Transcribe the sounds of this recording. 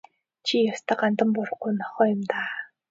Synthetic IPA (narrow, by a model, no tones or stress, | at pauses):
t͡ɕʰijast̪ʰăːɢant̪ə̆mpʊɾ̆χɡujnɔχɔːjʊ̆mt̪aː